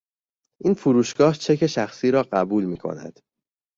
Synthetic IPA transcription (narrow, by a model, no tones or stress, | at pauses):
ʔiːnfuɾuːʃɡ̥ɒːht͡ʃʰe̞cʰe̞ʃæxsiːɾɒːɢæbuːlmiːkʰo̞̰næ̰d̪̥